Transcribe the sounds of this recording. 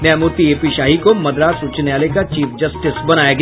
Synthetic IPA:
njaːmuɾt̪ieːpiʃaːɦikomɐd̪ɾaːsuːt͡ʃnejaːlekat͡ʃiːfʰd͡ʒɐsʈɪsbɐnaːjaɡ

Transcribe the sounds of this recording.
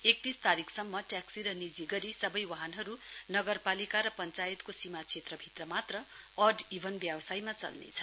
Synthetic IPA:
ek̚t̪ist̪aɾikʰsʌmːʌʈaksiɾʌnid͡ziɡʌɾisʌbʌjwaɦʌnɦʌɾunʌɡʌrpalikaɾʌpʌnt͡sajet̪kosimat͡sʰet̪rʌbʱit̪rʌmat̪rʌ | ʌrɖibʱʌnbjʌbʌsajmat͡sʌ̰lnḛt͡sʰʌ

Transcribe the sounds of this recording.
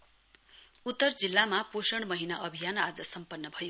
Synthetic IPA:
ut̪ːʌrd͡zilːamaposʌɽ̃mʌɦinaʔʌbʱijanad͡zʌsʌmpʌnːʌbʱʌjo

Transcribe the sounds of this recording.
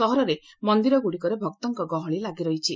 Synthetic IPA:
ɔɦɔɾɔɾe | mɔnd̪iɾɔɡuɽikɔɾebʱɔkt̪ɔŋkɔɡɔɦɔɭ̃ilaɡiɾɔɦit͡ʃʰi

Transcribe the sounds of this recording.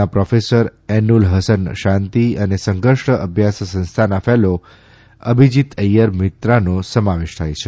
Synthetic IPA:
apɾɔfesəɾɛnulɦəsənʃãnt̪iənesə̃ŋɡəʂʈəəbʱjassə̃ñst̪ʰanafɛlo | ə̰bʱid͡ʒit̪əjəɾmɪt̪ɾanosəmaʋeʃt̪ʰajt͡ʃʰe

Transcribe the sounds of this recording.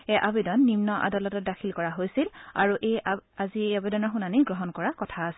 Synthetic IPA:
ɛʔabidɔnːimnɔʔa̰dalɔtɔt̚dakʰilkɔɹaɦojsila̰ɹuʔejazieabedɔnɔɹxunaniɡɹɔɦɔnkɔɹakɔtʰaːs

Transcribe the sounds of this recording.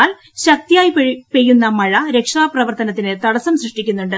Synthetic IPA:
aːl | ɕɐk̚t̪ijaːjpejːunːɐmɐɻɐɾe̞kʂaːprɐʋɐrt̪ɐnɐt̪ːinɨt̪ɐɽɐsɐmsrɨʂʈikʲːunːuɳɖɨ

